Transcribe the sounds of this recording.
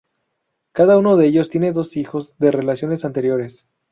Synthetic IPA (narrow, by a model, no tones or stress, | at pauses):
kaðauno̞ðeeʝo̞st̪je̞ne̞ðo̞sixo̞zðe̞re̞lasjo̞ne̞sant̪e̞ɾjo̞ɾe̞s